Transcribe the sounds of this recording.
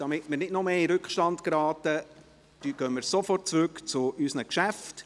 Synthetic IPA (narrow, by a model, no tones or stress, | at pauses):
d̥ɑmɪtmɪɾnɪdnɔmeːiɾʏkχʃtɑndkɾɑːtə | d̥yɡ̥œnmɪːɾsɔfɔrt̚t͡sɾʉkt͡sʊʔysnəkʃæft